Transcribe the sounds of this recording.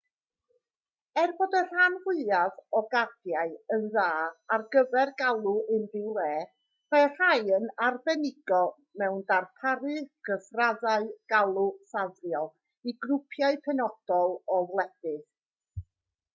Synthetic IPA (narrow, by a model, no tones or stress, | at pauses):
ɛrboːdər̥anhɪaðɔɡadjaɨənðaːarɡəvɛrɡalˠuʔɪndɪwlˠɛː | mar̥ajənarvɛnɪɡɔ | mɛwndarpʰaɾɨɡ̥əfraðaɨɡ̥alˠusavrjɔlˠ | iɡrʊpʰjaɨpʰɛnɔd̥ɔlˠɔvlˠɛd̥ɨð